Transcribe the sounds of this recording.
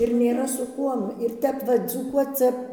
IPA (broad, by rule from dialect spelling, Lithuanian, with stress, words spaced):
ɪr nʲeːˈrɐ sʊ ˈkuɔm ɪr ˈtʲɛp ˈʋɐ d͡zuːˈkuɔt͡s ˈt͡sʲɛ